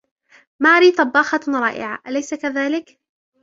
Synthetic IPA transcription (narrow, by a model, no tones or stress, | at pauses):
maʕɾiːt̪ˤɑbːɑːxɑɾˤɑ̰ːʔɪ̰ʕa̰ʔalajsakaðaːlɪk